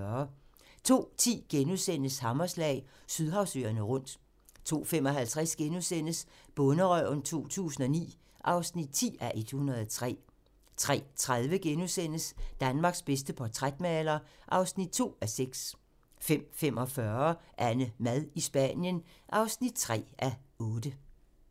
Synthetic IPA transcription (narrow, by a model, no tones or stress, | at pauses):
ɐt͡sʰo̝̰ːt͡sʰḭːɡ̥enusen̰əshɑ̈mɐslɛ̰ːɪsyð̞ˠɦɑ̈ʊsø̰ːɐnəʁɔ̽n̰d̥ | t͡sʰo̝̰ːfemɒ̽ɦælt͡sʰʁɛsɡ̥enusen̰əsb̥ɔ̽nəʁœ̰nt͡sʰo̝̰ːt͡sʰṵːsn̩ɒ̽nḭː | ʔɑ̈ʊsnid̥̚t͡sʰḭːæʔe̝d̥hunɐð̞ˠɒt͡sʰʁɛ̰ː | t͡sʰʁɛ̰ːt͡sʰʁaðˠʋəɡ̥enusen̰əsd̥ænmɑ̈ːɡ̥sb̥es̬d̥əpʰɒt͡sʰʁad̥mælɐʔɑ̈ʊsnid̥̚t͡sʰo̝̰ːæseɡ̥s | fem̰fem̰ʔɒ̽fɶɐʔænəmæð̞ˠisb̥æ̰njənʔɑ̈ʊsnid̥̚t͡sʰʁɛ̰ːʔæɔ̽ːd̥ə